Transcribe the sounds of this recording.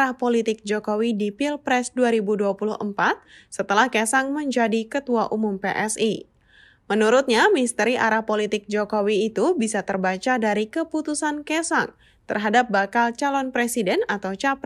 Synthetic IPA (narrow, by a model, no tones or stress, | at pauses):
ɾahpolit̪ɪk̚d͡ʒokowidipilpɾɛsduaɾibuduapulʊhə̰mpat̪̚sət̪əlahkɛsaŋməɲd͡ʒadikət̪uaʔumumpeʔɛsi | mənuɾut̪̚ɲamist̪əɾiʔaɾahpolit̪ɪk̚d͡ʒokowiːt̪ubisat̪ərbat͡ʃadaɾikəput̪usankɛsa̰ŋ | t̪ərɦadap̚bakalt͡ʃalɔnpɾesidɛnat̪awt͡ʃap